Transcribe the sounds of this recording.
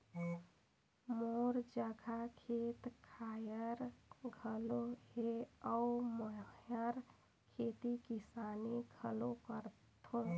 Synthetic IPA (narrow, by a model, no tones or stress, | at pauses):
moɾd͡ʒəɡʱakʰet̪kʰajəɾɡʱəloɦeəuməjəɾ | kʰet̪ikisaniɡʱəlokəɾ | t̪ʰo